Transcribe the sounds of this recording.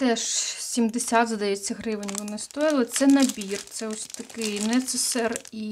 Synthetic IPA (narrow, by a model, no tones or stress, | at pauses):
t̪ɛʂsʲimd̪ɪsʲad̪zɐd̪ɐjɛt͡sʲːɐɦɾɪʋɪnʲʋɔnɪst̪ɔɾʲɪlˠɔt̪sɛnɐbʲirt̪sɛɔsʲt̪ɐkɪnɛt̪sɛsɛri